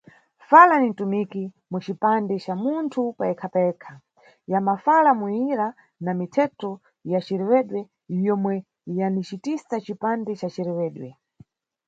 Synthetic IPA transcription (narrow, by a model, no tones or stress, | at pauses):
falanintumiki | mut͡ʃipandɛt͡ʃamuntʰupaɛkʰapaɛkʰa | jamafalamuiɾa | namitʰɛtɔ | jat͡ʃiɾɛwɛɗwɛ | jjɔmwɛ | janit͡ʃitisat͡ʃipandɛt͡ʃat͡ʃiɾɛwɛːɗwɛ